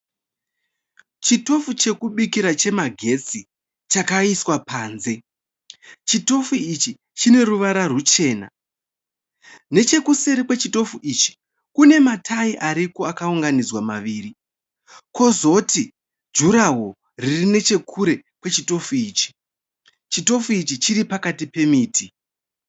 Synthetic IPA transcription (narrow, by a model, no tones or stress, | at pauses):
t͡ʃito̞fut͡ʃe̞kuɓikiɾat͡ʃe̞maɡʱe̞t͡si | t͡ʃakaiswapaːnze̞ | t͡ʃito̞fuit͡ʃi | t͡ʃine̞ruʋaɾarut͡ʃe̞ːna̰ | ne̞t͡ʃe̞kuse̞ɾekwe̞t͡ʃito̞fuʔit͡ʃi̥ | kune̞matʰaiʔaɾipo̞akauŋɡanid͡zwamaʋiːɾi | ko̞zo̞ti | d͡ʒuɾaɦo̞ | ririne̞t͡ʃe̞kʰuɾe̞kwe̞t͡ʃito̞fuiːt͡ʃi̥ | t͡ʃito̞fuit͡ʃit͡ʃiɾipakatipe̞miːtʰi